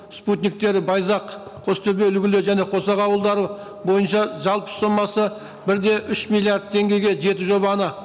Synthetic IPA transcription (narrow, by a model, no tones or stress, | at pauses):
sput̪nʲik̚t̪e̞ɾɪbɑjzɑqʰ | o̞st̪ʰʏbeʏlɡʲɪlɪʒæne̞qʰo̞sɑqɑwəlˠd̪ɑɾə | bo̞jənʃɑʒɑlˠpə̥so̞mːɑsə | bɪɾd̪e̞ʔʏʃmilˠijard̪̚t̪ʰːe̞ŋɡʲe̞jɡʲe̞ʒe̞t̪ɪʒo̞βɑnə